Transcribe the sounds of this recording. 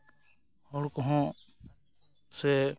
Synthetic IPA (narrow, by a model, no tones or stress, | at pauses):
hɔɽkɔɦɔ̃ | sɛ